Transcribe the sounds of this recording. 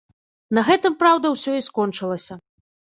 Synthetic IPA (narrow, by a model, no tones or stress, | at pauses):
nɐɣɛt̪ɨmpɾawd̪ɐwsʲɔiskɔnt͡ʂɨlˠɐsʲɐ